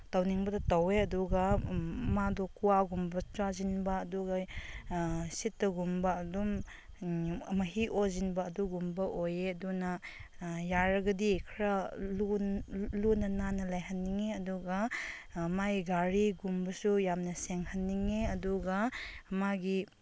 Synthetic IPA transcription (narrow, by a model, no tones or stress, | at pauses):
tawniŋbɐdɐtaweɐduɡɐmadɔkuwaɡumbɐt͡ʃwazinbɐːduɡɐ | sitːɐɡumbɐːdɔm | mɐɦiʔozinbɐːduɡumbɐʔojeɐdunɐ | jaɾɐɡɐdikʰɾalulunɐnanɐlajɦɐnːiŋeɐduɡaː | majiɡaɾiɡumbɐsujamnɐseŋhɐnːiŋeɐduɡɐɐmaɡi